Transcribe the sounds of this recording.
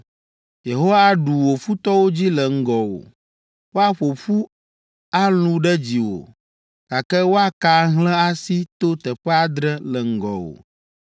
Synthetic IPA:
je˨ɦo˦wa˦ɖu˨wo˨fu˦t̪ɔ˦wo˦d͡ʑi˦lə˨ŋ̩˦ɡɔ˨wo̰˨ | wo˦a˦ɸo˨ɸu˦ | a˦lũ˦ɖɛ˦d͡ʑi˨wo̰˨ | ka˨kɛ˦wo˦a˦ka˦ɦlɛ̃˦a˦si˦t̪o˦t̪ɛ˨ɸɛ˦a˦d̪ɾɛ˦lɛ˨ŋ̩˦ɡɔ̰˨wo̰˨

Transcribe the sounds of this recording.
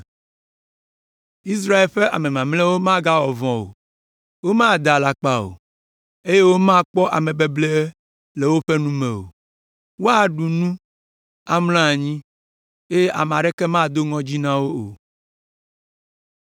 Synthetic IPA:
i˦s̬ɾa˦e˨lɸe˦ʔa˨mẽ˨mã˨mlɛ˦wo˦mã˦ɡa˦wɔ˨vɔ̃˨wo̰˨ | wo˦mã˦d̪a˨la˨k͡pa˦o̰˨ | e˦je˦wo˦mã˦k͡pɔ˦ʔa̰˨mẽ˨be˦ble˦ | le˨wo˦ɸe˦nũ˦mẽ˨o̰˨ | wo˦a˨ɖu˨nũ˦ | a˨ml̃ã˦˨ɲĩ˦ | e˦je˦ʔa̰˨m˨ã˨ɖɛ˦kɛ˦mã˦˨d̪o˦ŋɔ̃˦d͡ʑi˦nã˦wo˦o̰˨

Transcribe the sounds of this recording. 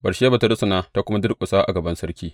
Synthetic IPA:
bɐ˨ʃeː˦ba˨ta˦ɽɐ˦sʊ˨naː˦ta˦kʷʊ˦ma˦dɪ˦rkʷʼʊ˨saː˦ʔa̰˨ɡɐ˨bɐ˦nsɐ˦rkʲiː˦

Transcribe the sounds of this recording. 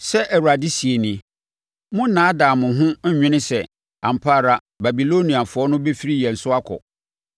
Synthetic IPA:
sɛ˦ʔɛ˨wu˨ɾa˨di˦si˨e˨nĩ˨ | mʊ̃˦n̩˦nãː˨˦dãː˨mʊ̃˨ɦʊ̃˦ɲᶣɪ̃˦nɪ̃˦sɛ˨ | ã˨m˨pʰa˦˨ɾa˨ | ba˨bi˨lo˦nĩ˨a˨fʊ˨˦ɔ˦nʊ̃˦be˦fi˦ɾi˦jɛ˨n̩˨sʊ˦a˦kʰɔ̰˨

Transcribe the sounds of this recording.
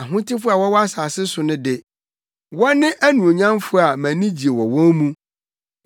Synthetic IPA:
a˨ɦʊ̃˦tʰɪ˦fʊ˦a˨wɔ˦wɔ˦a˦saː˨sɪ˦sʊ˨nʊ̃˦dɪ˨ | wɔ˦nɪ̃˦ʔæ˦nũ˨o˨ɲã˦m˦fʊ˦a˨mæ̃˨nĩ˦d͡ʑi˨e˨wɔ˨wɔ̃˦nmũ˦

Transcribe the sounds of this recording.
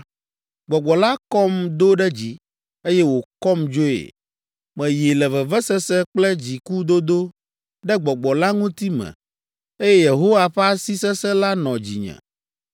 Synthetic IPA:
ɡ͡bɔ˨ɡ͡bɔ˨la˦kɔ˦md̪o˦ɖɛ˦d͡ʑi˨ | e˦jɛ˦wo˨kɔ˦md͡ʒo˦ḛ˨ | mɛ̃˨je˨lɛ˨vɛ˨vɛ˦sɛ˦sɛ˦k͡plɛ˦d͡ʑi˨ku˦d̪o˦d̪o˦ | ɖɛ˦ɡ͡bɔ˨ɡ͡bɔ˨la˦ŋũ˦t̪i˦mɛ̰̃˨ | e˦jɛ˦je˨ɦo˦wa˦ɸɛ˦a˦si˦sɛ˦sɛ˦la˦nɔ̃˨d͡ʑḭ˨ɲɛ̰̃˨

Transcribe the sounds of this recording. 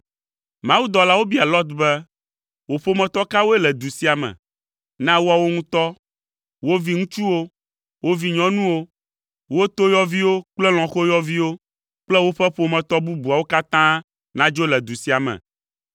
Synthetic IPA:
mã˨˦wu˦d̪ɔ˨la˦wo˦bi˦a˨lɔ˦t̪bɛ˦ | wo˨ɸo˦mɛ̃˨t̪ɔ˦ka˦wo˦ɛ˦lɛ˨d̪u˨si˦a˨mɛ̰̃˨ | nã˦wo˦a˨wo˦ŋũ˦t̪ɔ˦ | wo˦vi˦ŋũ˦t͡ʃu˦wo˦ | wo˦vi˨ɲɔ̃˦nũ˦wo˦ | wo˦t̪o˦jɔ˦vi˦wo˦k͡plɛ˦l̃ɔ̃˨xo˦jɔ˦vi˦wo˦ | k͡plɛ˦wo˦ɸɛ˦ɸo˨mɛ̃˨t̪ɔ˦bu˦bu˨a˨wo˦ka˦t̪ã˦ | nã˦d͡ʒo˦lɛ˨d̪u˨si˦a˨mɛ̰̃˨

